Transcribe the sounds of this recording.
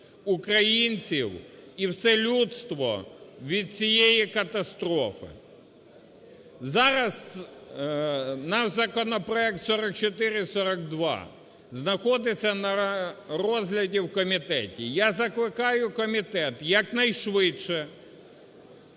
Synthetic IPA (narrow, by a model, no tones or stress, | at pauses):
ʊkɾɐjinʲt͡sʲiwiwsɛlʲut̪st̪ʋɔ̰ʋʲid̪̚t͡sʲijejikɐt̪ɐst̪ɾɔfɪ̰ | zɑɾɐs | nɑʒzɐkɔnɔpɾɔɛk̚t̪sɔɾɐk̚t͡ʃɔt̪ɪɾɪsɔɾɐkd̪ʋɑ̰ | znɐxɔd̪ɪsʲːɐnɐrɔzɦlʲɐdʲiwkɔmʲit̪ɛ̰tʲijazɐklˠɪkɑjʊkɔmʲit̪ɛt̪jɐknɐjʃʋɪʃɛ